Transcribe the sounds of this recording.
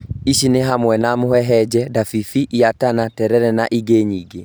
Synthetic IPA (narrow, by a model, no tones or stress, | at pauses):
iʃineɦamwɛnamohɛɦɛd͡ʒɛdafifiʔiatanatɛɾɛɾɛnaʔiɡeːɲiɡe